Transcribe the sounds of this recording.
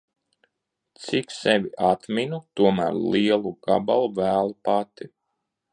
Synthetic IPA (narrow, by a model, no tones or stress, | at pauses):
t̪siksɛvʲiʔat̪minut̪uɔmæ̰ːɾliɛlˠuɡ̥a̰balˠuvæːlˠupat̪i